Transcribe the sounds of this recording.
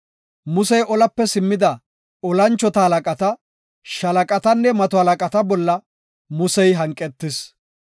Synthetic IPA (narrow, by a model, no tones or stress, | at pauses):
mʊsɛjʔɔlɐpːɛsɪmːɪd̪ɐ | ɔlɐnt͡ʃːɔt̪ɐhɐlɐkʼɐt̪ɐ | ʃɐlɐkʼɐt̪ɐnːɛmɐt̪ɔhɐlɐkʼɐt̪ɐbɔlːɐ | mʊsɛjɦɐŋkʼːɛt̪ːɪs